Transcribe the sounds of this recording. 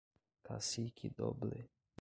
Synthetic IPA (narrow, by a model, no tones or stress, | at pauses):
kʰa̰sikʰid̪ɔ̰ble